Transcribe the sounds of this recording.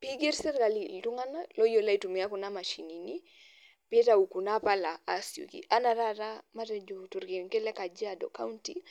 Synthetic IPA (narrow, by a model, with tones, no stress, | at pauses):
pi˦ɡɛ˦ɾsɛ˦ɾɡa˨li˨ltu˦ŋa˦na˦lɔ˦jɔ˨la˦i˨tu˨mi˨a˦ku˨na˦ma˨ʃi˨ni˨ni˦ | pɛ˦ta˦u˨ku˨na˦pa˦la˨a˨si˨ṵ˨kḭ˨ʔa˦na˨ɾa˦ɾa˦ma˦tɛ˨d͡ʒu˨tu˨ɾɡɛ˨˦kɛ˦lɛ˦ka˨d͡ʒi˦a˨dɔ̰˨ka˦u˦nti